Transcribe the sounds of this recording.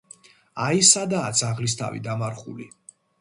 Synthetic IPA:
aisad̪aːd̪z̥aʁlis̬t̪ʰa̰vḭd̪amaɾχṵli

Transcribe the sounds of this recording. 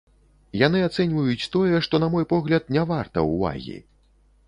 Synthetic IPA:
janɨat̪sɛnʲvujut͡sʲt̪ɔjɛʂt̪ɔnɐmɔjpɔɣlʲɐt̪nʲavart̪ɐ̰wva̰ɣʲḭ

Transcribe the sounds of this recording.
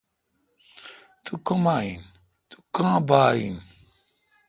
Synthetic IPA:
tukɔ̃majḭn | tu̥kãbaːḭn

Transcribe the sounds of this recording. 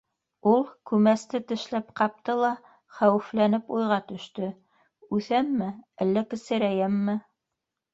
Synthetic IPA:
ulˠkʉmæst̪ɘt̪ɘ̆ʃlæpqɑp̚t̪ɤlˠɑ | χæwɘ̆flænɘpujʁɑt̪ɵ̆ʃt̪ɵ | ʉθæmːɘælːækɘ̆sɘ̆ɾæjæmːɘ

